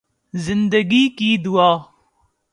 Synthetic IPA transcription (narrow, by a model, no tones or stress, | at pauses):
zɨnd̪ɐɡiːkiːd̪wɑː